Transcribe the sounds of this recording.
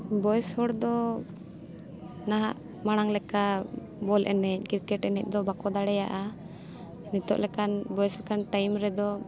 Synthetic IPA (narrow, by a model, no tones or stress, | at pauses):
bɔjshɔɽd̪ɔ | naɦaʔ | maɽ̃aŋlɛka | bɔlʔɛ̰nɛc̚kiɾkɛʈɛnɛ̰c̚d̪ɔbakɔd̪aɽɛja̰ʔa | nit̪ɔ̰ʔlɛkanbɔjɛslɛkanʈajmɾɛd̪ɔ